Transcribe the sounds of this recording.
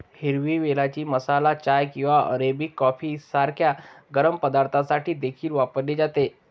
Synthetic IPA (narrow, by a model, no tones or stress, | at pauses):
hiɾʋiːʋelat͡ɕiːməsalat͡ɕajkĩw̃ʋaʔə̰ɾebikːɔfiːsaɾkʰjaɡəɾəmpəd̪aɾt̪ʰasaʈiːd̪ekʰiːlʋapəɾled͡zat̪e